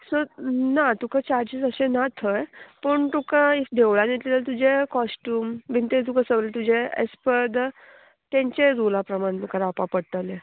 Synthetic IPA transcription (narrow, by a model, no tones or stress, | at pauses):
sonat̪ukat͡ɕaɾd͡ʑid͡zəsẽnat̪ʰəjpəɳt̪ukaid̪ʱeʋɭanet̪lelat̪ud͡ʑʱekɔsʈuːmʋint̪et̪ukasəʋlet̪ud͡ʑeḛspəd̪ | t̪ẽɲt͡ɕeɾulapɾəmaɽet̪ukaɾapapəɽt̪əle